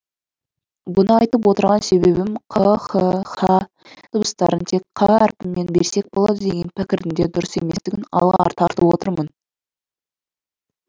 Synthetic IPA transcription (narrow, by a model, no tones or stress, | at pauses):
bʊnəɑjt̪əp̬wo̞t̪əɾʁɑnse̞βe̞bɪmqʰəχəχɑ | t̪ʰəbəst̪ɑ̰ɾənt̪ʰe̞kqʰɑæɾpɪmːe̞nbḛɾse̞k̚bo̞lˠɑd̪əd̪e̞ɡʲe̞npʰɪkʲɪɾd̪ɪnd̪e̞d̪ʊɾəse̞me̞st̪ɪɡʲɪnɑ̰lˠʁɑ̰ɾt̪ʰɑɾt̪əpwo̞t̪əɾmən